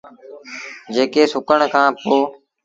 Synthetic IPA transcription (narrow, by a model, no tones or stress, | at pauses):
d͡ʒeːkeːsʊkəɽ̃kʰãːpoː